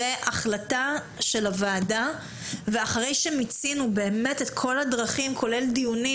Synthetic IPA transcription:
eʔaχlata | ʃe̞lavaːda | veaχaʁejʃemit͡sinubeːme̞tetkʰo̞ladʁaχimkʰo̞le̞ldijuni

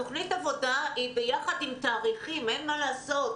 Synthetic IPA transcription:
o̞χnitavo̞daibejaχadimtaːʁiχimenmalaːso̞t

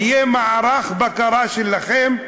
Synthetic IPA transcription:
ijemaʕaɾaχbakaɾaʃelːaχem

